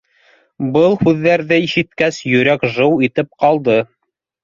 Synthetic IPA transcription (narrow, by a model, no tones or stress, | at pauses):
bɤlˠhʉðːæɾðɘiʃɘ̆t̪kæsjɵ̆ɾækʒɤwit̪ɘp̚qɑlˠd̪ɤ